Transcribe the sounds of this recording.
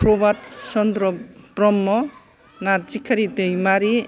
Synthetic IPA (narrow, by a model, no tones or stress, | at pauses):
pʰɾɔbat̚sɔnd̪ɾɔpɾɔmːɔ | naɾ̚t͡ʃikʰːaɾitejmaɾi